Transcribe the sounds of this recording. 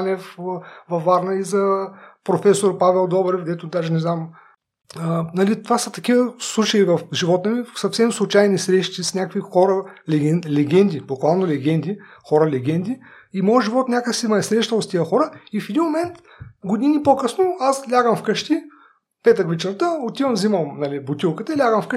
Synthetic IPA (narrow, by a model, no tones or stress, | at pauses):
nʲɛfvɐfaɾnəizɐpɾofɛsoɾpavɛlˠd̪ɔbɾɛfɡd̪ɛt̪ʊd̪aʒɛnɛznam | ənɐlit̪ovasɐt̪ɐkivəslˠut͡ʃɐivɐfʒivɔt̪əmisɐfsɛmslˠʊt͡ʃajnisɾɛʃt̪isnʲakəkvixɔɾəlɛɡɛlɛɡʲɛnd̪ʲibokvalˠnolɛɡʲɛnd̪i | xɔɾəlɛɡ̟ʲɛnd̪ʲi | imɔjəʒivɔt̪nʲakəksimɐɛsɾɛʃt̪əlt̪t̪iəxɔɾəifɛd̪inmomɛnt̪ | ɡod̪inipokɤsnoaslʲaɡəmfkəʃt̪i | pɛt̪əkvit͡ʃəɾt̪əot̪ivɐmzimɐmnɐlibʊt̪ʲilˠkət̪əilʲaɡəmfk